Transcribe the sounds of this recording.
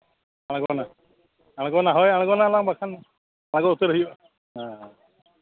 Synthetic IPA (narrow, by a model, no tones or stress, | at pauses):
aɽ̃ɔkɔna | aɽ̃ɔ̃kɔnaɦɔjaɽ̃ɔ̃kɔnalaŋbakʰana | aɽ̃akɔut̪ɔɾɔɦiba | ɦa